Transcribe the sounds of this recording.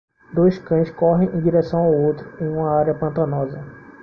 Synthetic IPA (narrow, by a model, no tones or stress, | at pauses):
d̪ojskɐ̃j̃skɔɦẽj̃ʔẽj̃d͡ʒiɾɛsɐ̃w̃awowt̪ɾʊẽj̃ũmɐaɾiɐpɐ̃nt̪ɐnɔzɐ